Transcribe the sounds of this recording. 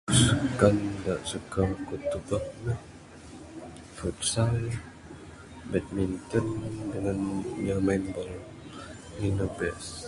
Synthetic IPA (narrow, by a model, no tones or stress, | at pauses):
səkandaʔsəkakut̪ubək̚nəh | futsal | bɛt̪̚mint̪əndəŋanɲamanbəl | ninəbɛs